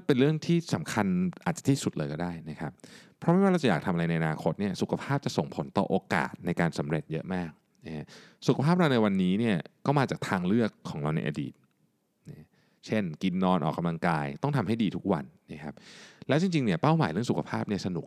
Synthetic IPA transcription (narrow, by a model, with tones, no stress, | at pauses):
pe˧nɾɯ˥˩əŋt̪ʰiː˥˩sa˩˦mkʰa˧nʔaː˨˩t̪̚a˨˩t̪ʰiː˥˩su˨˩t̪̚lɤː˧kɔː˥˩daː˥˩jna˦˥kʰa˦˥p̚ʰ | ɾɔ˦˥mɛ˥˩waː˥˩ɾa˧wt͡ɕa˨jaː˨˩t̪ʰa˧mʔa˧ɾa˧jna˧jʔa˧aː˧kʰo˦˥t̪̚ni˥˩ɐsu˨˩kʰa˧pʰaː˥˩p̚t͡ɕa˨˩ʔso˨˩ŋpʰo˨˩˦nt̪ɔ̰ː˨˩ʔoː˧ka̰ː˨˩t̪̚na˧jkaː˧nsa˩˦mɾe˨˩t̪̚jɤ˦˥ʔmaː˥˩k̚ | na˦a˦˥su˨kʰa˧pʰaː˥˩p̚ɾa˧wna˧jwa˧nːiː˦˥ni˥˩ɐkɔː˥˩maː˧t͡ɕaː˨˩k̚t̪ʰaː˧ŋlɯ˥˩əkʰːɔː˩˦ŋɾa˧wna̰˧jʔa̰˧dḭː˨˩t̪̚ | na˦˥ | t͡ɕʰe˥˩nki˧nːɔː˧nʔɔ̰ː˨˩kːa˧mla˧ŋkaː˧jt̪ɔ˥˩ŋt̪ʰa˧mɦa˥˩jdiː˧t̪ʰu˦˥k̚wa̰˧nːa˦˥kʰa˦˥p̚lɛː˦˥wt͡ɕi˧ŋt͡ɕi˧ŋni˥˩pa˥˩wmaː˩˦ɾɯ˥˩əŋsu˨kʰa˧pʰaː˥˩p̚ni˥˩ɐsa˧nu˨˩k̚